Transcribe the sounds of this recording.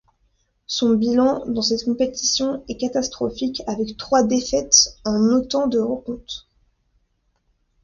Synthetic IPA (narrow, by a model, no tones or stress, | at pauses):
sɔ̃bilɑ̃d̪ɑ̃sɛt̪kɔ̃pet̪i̥sjɔ̃ɛkat̪ast̪χɔfikʲavɛkt̪χwad̪efɛt̪ɑ̃not̪ɑ̃d̪əʁəkɔ̃t̪